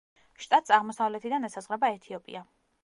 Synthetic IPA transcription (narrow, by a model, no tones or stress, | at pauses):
ʃt̪ʼat̪̚ʼsʼaʁmɔsavlɛt̪ʰid̪anɛsazʁɾɛbaɛt̪ʰiɔpʼḭa